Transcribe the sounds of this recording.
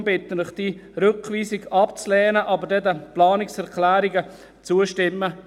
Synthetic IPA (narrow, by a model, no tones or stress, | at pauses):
bɪt̪ələχd̥iɾʏkʋiːsɪɡɑpt͡slɛːnəʔɑbədɛdəplɑːnɪksɛʁkʰlæːɾɪɡə | t͡suəʃtɪmːə